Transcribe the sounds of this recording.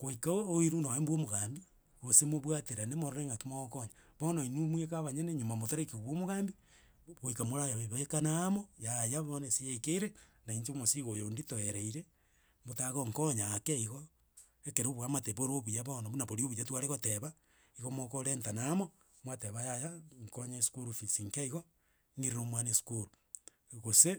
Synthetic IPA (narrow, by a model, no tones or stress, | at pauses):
ɣoikaoiɾunaembwomoɣaːmbi | ɣosemoβwateɾanemoɾoɾeŋɡatimokoɲaβonoinumwekaβaɲeneɲomamotoɾekioβwomoɣambi | ɣoikamoɾajaeβaekanamojajaβonesijekeiɾenaiɲt͡ʃomosiɣojonditoeɾeiɾe | motaɣoŋkoɲakeiɣo | ekeɾoβuamateβoɾoβujaβonoβunaβoɾioβujatuwaɾeɣoteβa | iɣomokoɾentanamo | mwateβajajaŋkoɲaeskuɾufisiŋkeiɣo | ŋiɾeɾomwanesu̥kuɾu | ɣose